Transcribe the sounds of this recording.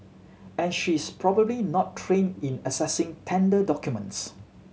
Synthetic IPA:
ɛ̃nʃispʰɹɔbəblinɔtʰːɹẽnĩnəsɛsɪ̃ŋtʰɛ̃ndədɔkjumə̰̃nts

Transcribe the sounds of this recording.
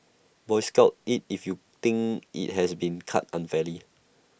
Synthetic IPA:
bɔɪskaʊt̚it̚ifju | t̪ɪ̃ŋkḭt̚ɦɛsbĩnkʰa̰t̚ãnfɛli

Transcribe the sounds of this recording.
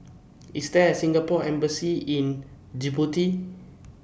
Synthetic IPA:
isdɛsĩŋɡapɔɛ̃mbəsiĩn | d͡ʒibuti

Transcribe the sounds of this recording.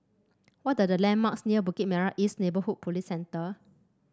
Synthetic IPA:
wɔt̚dədəlɛ̃nmaksniəbukit̚mɛɹaʔisnebəhut̚pʰolisːɛ̃ntə

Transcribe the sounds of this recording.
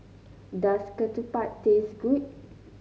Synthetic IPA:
daskətupatːesɡut̚

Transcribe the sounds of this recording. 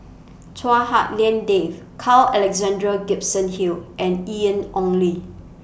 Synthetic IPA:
tʰwahaʔ̚lɛ̃ndevkʰalɛlɛkzɛ̃ndɹəɡip̚sə̃nhilʔɛ̃niə̃nɔ̃nli

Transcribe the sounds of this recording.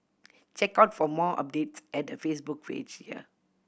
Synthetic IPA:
t͡ʃɛkaʊtfɔmɔʔa̰p̚detsɛt̚dəfesbuk̚pḛd͡ʒhiə̰

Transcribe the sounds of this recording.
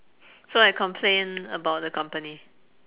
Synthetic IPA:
soajkɔ̃mpʰlẽnəbaʊt̚dəkʰʌ̃mpəni

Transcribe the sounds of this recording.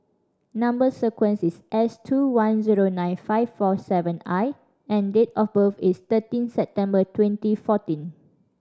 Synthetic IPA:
nãmbəsəkwə̃nsisʔɛstʰuwãnziɹonãɪ̃nfaɪfɔsɛvə̃naɪ | ɛ̃ndetɔfbəfist̪ətĩnsɛp̚tɛ̃mbətʰwɛ̃ntifɔtĩn

